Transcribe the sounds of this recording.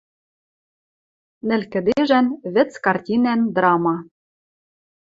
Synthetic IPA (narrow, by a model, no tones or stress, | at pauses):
nɘ̆lkɘ̆d̪eʒænβɘ̆t͡skɑrtʲinænd̪rɑmɑ